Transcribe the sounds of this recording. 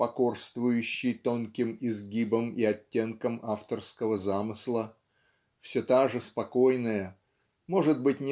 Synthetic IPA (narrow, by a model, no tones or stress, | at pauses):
pɐko̞rst̪vʊjʉɕːɪjt̪o̞nkʲɪmɪzɡʲibəmiɐtʲːe̞nkəmaft̪ərskəvəzamɨslˠə | fsʲot̪aʐɨspɐko̞jnəjə | mo̞ʐɨd̪bɨtʲnʲɪ